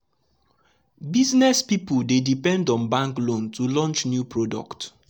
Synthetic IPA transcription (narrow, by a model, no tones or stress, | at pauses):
biznɛspipuldedipɛ̃ndɔ̃nbãŋklõntulɔ̃nt͡ʃnjupɹɔdɔ̰kt